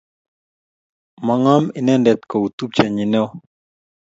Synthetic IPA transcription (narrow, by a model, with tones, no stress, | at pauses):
ma˨ŋɔ˦mi˨nɛ˦ndɛ˨t̪ko˨u˨t̪u˦p̚t͡ʃa˨ɲi˨nɛ˦ɔ˦